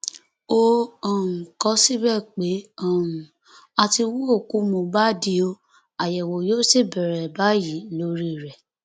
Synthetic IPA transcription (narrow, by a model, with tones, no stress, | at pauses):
o˦ɔ̃˨ũ˨kɔ˨˦si˦bɛ˦˨k͡pe˨˦ɔ̃˦˨ũ˨ | a˧ti˧wũ˦o˦˨ku˨˦mũ˨ba˦di˧o˧ | a˨jɛ˨wo˨jo˦si˦˨bɛ˨ɾɛ˨ba˨˦ji˨˦n˦o˧ɾi˧˨ɾɛ˨